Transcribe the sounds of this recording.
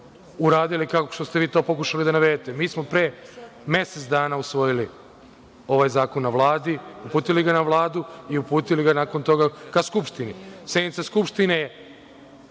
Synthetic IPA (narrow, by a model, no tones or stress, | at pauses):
uɾaːd̪ilikako̥ʃt̪ost̪e̞ʋiːt̪o̞ːpo̞kuʃalid̪anaʋed̪t̪e̞miːsmo̞pɾeːme̞set̪d̪aːnausʋo̞jili | o̞ʋajzaːko̞nːaʋlˠaːd̪iupuːt̪iliɡanaʋlˠaːd̪uiupuːt̪iliɡanako̞nt̪o̞ɡakaskupʃt̪inised̪nit̪saskupʃt̪ineje